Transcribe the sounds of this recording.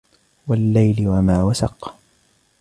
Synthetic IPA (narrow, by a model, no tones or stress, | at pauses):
walːajlɪwamaːwasɑ̰q